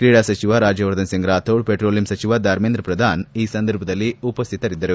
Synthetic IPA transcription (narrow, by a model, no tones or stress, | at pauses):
kɾiːɽaːsɐt͡ʃiʋaɾaːd͡ʒjɐʋɐɾd̪ɐnsiŋɡɾaːt̪ʰoːɽpeʈɾoːlimsɐt͡ʃiʋad̪ʱaːɾmend̪ɾɐpɾɐd̪ʱaːniːsɐnd̪ɐɾbʱɐd̪ɐlːiupɐst̪ʰit̪ɐɾid̪ːɐɾu